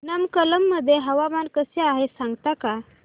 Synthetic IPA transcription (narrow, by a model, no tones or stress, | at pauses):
nəmkələmːəd̪ʱːjeɦəʋaʋankəseaɦesãŋɡt̪aka